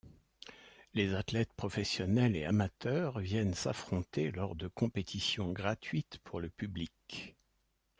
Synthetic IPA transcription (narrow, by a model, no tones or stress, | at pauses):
lezat̪lɛt̪pχɔfɛsjɔnɛleamat̪œʁvjɛnsa̰fχɔ̃t̪elɔʁd̪əkɔ̃pet̪ʰisjɔ̃ɡʁat̪ɥit̪pʰuʁləpyblik